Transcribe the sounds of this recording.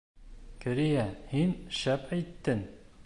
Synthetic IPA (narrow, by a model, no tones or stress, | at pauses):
kɘ̆ɾijæhinʃæpæjt̪ːɘŋ